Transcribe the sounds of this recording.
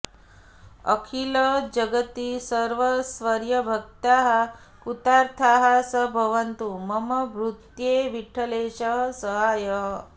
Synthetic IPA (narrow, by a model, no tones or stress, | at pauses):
ə̰kʰiləd͡ʒəɡət̪isəɾʋəsʋəɾjəbʱək̚t̪aɦa | kut̪aɾt̪ʰaɦasəbʱəʋənt̪uməməbɾut̪jeʋiʈʰəleɕəɦsəɦaːjə